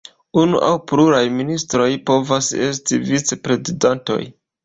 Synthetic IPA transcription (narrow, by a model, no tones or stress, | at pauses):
unṵʔawpluɾajministɾo̞jpo̞vase̞s̬tivit͡se̞pɾe̞zidanto̞̰j